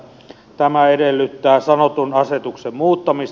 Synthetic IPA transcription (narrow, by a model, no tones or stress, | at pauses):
t̪æmæedelːyt̪ːæːsɑnot̪unɑset̪uksemmuːt̪ːɑmis